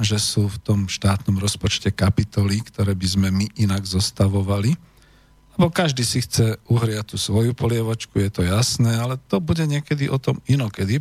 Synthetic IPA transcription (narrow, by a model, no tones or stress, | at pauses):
ʒɛsuːft̪ɔmʃt̪aːt̪nɔmɾɔspɔt͡ʃcɛkapit̪ɔlikt̪ɔɾɛːbizmɛmiʔinaɡzɔst̪aʋɔʋali | lɛbɔkaʒd̪iːsixt͡sɛuɦɾɪac̚t̪uːsʋɔjupɔlɪɛʋɔt͡ʃkujɛt̪ɔjasnɛːalɛt̪ɔbuɟɛɲɪɛkɛd̪iʔɔt̪ɔminɔkɛd̪i